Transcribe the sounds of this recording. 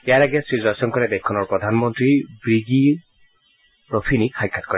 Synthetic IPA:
ɛjaɹaɡɛsɹizasɔnkɔɹɛdɛkkʰːɔnɔɹpɹɔdʱanmɔntɹibɹiɡi | ɹɔpʰinikxajkʰːatkɔɹɛ

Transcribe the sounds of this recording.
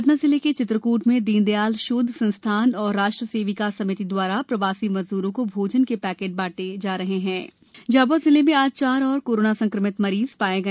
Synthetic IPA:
d̪nazɪleket͡ʃɪt̪ɾəkuːʈmẽd̪iːnd̪ejaːlʃʊd̪ʱsɐ̃nst̪ʰaːnɔːɾːaːʃʈɾəseːʋikasɐmɪt̪id̪waːɾapɾɐʋaːsimɐ̃nzd̪uːɾõkobʱoːd͡ʒənkepɛːkeːʈ̚baːʈed͡ʒaːɾɐɦeɦɛ̃ː | d͡ʒaːbozɪlemẽaːd͡ʒt͡ʃaːɾɔːɾkoːɾoːnasɐ̃ŋkɾəmɪt̪mɐɾiːz̥paːeɡɐ

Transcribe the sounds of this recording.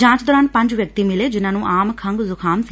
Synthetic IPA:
d͡ʒãːt͡ʃd̪ɔːɾaːnpə̃ɲd͡ʒʋjək̚t̪iːmɪleːd͡ʒɪnãːnũːʔaːmkʰəŋɡzʊkʰaːms

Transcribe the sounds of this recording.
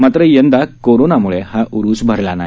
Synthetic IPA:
mat̪ɾəjənd̪akoɾonamuɭehaʔuɾuːsbʱəɾlana̰

